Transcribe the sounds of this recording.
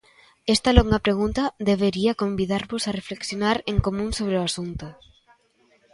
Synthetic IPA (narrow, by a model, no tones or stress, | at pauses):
est̪aloŋɡapɾeɣ̞unt̪ɐðeβeɾiɐkombiðaɾβosarefleksjonaɾeŋkomũŋsoβɾeoasunt̪ʊ